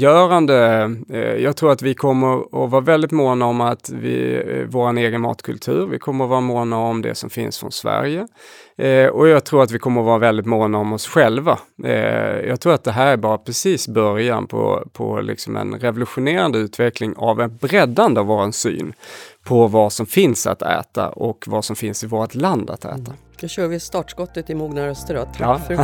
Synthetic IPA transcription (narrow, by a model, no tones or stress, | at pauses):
jœːɾand̪ə | jɑːɡ̚t̪ʰɾuːɾat̪vɪkʰɔmːəɾɔvɑːɾavɛld̪ɪt̪moːnaɔmat̪vɪ̰voːɾaneːɡənmɑ̰ːt̪kʰɵlt̪ʰʉ̟̰ːɾvɪ̰kʰɔmːəɾɔvɑːɾamoːnaɔmd̪ɛ̰sɔmfɪ̰nsfɾɔ̰nsvæ̰ɾjə | ɔjɑːɡ̚t̪ʰɾuːɾat̪vɪkʰɔmːəɾɔvɑːɾavɛld̪ɪt̪moːnaɔmɔsɧɛlva | jɑːɡt̪ʰɾuːɾat̪̚d̪ɛɦæːɾæɾbɑːɾapʰɾɛsiːsbœɾjanpʰɔ̰pʰɔ̰lɪ̰ksɔmɛ̰nɾɛvʊlɵɧʊneːɾand̪əʉ̟ːt̪vɛklɪŋavɛnbɾɛd̪ːand̪əavvoːɾansy̰ːnpʰɔvasɔmfɪnsa̰t̪ʰɛ̰ːt̪a̰ʔɔkvasɔmfɪnsɪvoːɾat̪land̪a̰t̪ɛ̰ːt̪ʰa | d̪ʊɕœːɾvɪst̪ɑːʈskɔt̪ːət̪ɪmuːɡnaɾœst̪əɖɔɑ